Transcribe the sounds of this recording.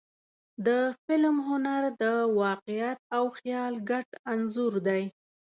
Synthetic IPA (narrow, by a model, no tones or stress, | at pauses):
d̪əfɪlmɦʊnaɾd̪əwɑqɪjat̪̚awxjɑlɡaʈanzʊɾd̪aj